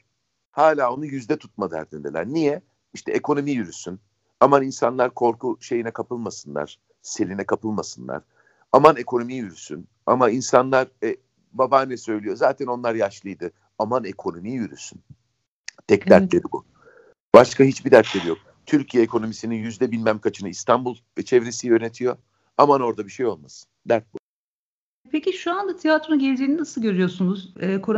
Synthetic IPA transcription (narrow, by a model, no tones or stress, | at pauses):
haːlʲaːo̞nujyzd̪ɛt̪ʰu̥t̪̚mad̪a̰ɾd̪ind̪elʲæ̰ɾnijɛ | iʃt̪ʰɛekʰo̞no̞mijyɾysyn | amaninsanlˠaɾkʰo̞ɾkʰuʃe̞jinɛkʰapɯlˠmasɯnlˠa̰ɾ̥ | se̞lʲinɛkʰapɯlˠmasɯnlˠa̰ɾ̥ | amane̞kʰo̞no̞mijjyɾysy̰n | a̰mainsanlˠaɾɛ | babaːnɛsø̞jlʲijo̞zaːt̪ʰɛno̞nlˠaɾjaʃlˠɯjd̪ɯ | amanekʰo̞no̞mijjyɾy̰syn | t̪ʰɛcd̪æɾt̪lʲe̞ɾibṵ | b̥aʃkʰaɦit͡ʃbid̪æɾt̪lʲe̞ɾijo̞k̚ | t̪ʰyɾcʰijɛːkʰo̞no̞misininjyzd̪ɛbinbæmkʰat͡ʃʰɯnɯist̪ʰanbulˠvɛt͡ʃʰɛvɾesijø̞net̪ʰijo̞ | amano̞ɾd̪abiʃe̞jo̞lˠmasɯ̥d̪æɾt̪̚bu | pʰeciʃuand̪at̪ʰijat̪ɾoɟɛlʲd͡ʒiːninasɯlˠɟø̞ɾyjo̞sunuz̥ɛːkʰoɾ